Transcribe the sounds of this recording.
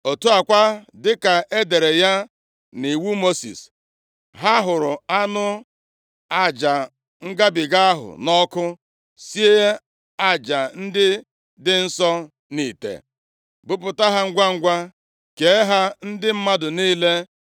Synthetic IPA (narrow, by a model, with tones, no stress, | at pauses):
o˨tu˦a˨kʷa˦dɪ˦ka˨ʔe˦de˨ɾe˨ja˦ | ni˨wu˦mo˦sḭ˨s | ɦa˦ɦʊ˨ɾʊ˨a˦nʊ˦ | a˦d͡ʒa˨ | ŋ̩˦ɡa˦bɪ˨ɡa˦a˦ɦʊ̰˨nɔ˦kʊ˦ | si˦e˦ | a˦d͡ʒa˨n̩˦dɪ˦ | dɪ˦n̩˦sɔ˦ | ni˨tḛ˨ | bʊ˦pʊ˨ta˦ɦa˦ŋ̩˦ɡʷa˦ŋ̩˦ɡʷa˦ | ke˨˦ɦa˦n̩˦dɪ˦m̩˦ma˦dʊ˨niː˦le˦